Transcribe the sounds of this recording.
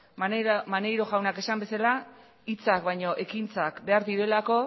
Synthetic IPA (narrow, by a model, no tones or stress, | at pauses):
mane̞jɾo̞ɣawnake̞sambe̞sala | it͡sakβajɲo̞ʔe̞kint͡sakbe̞aɾðiɾe̞lako̞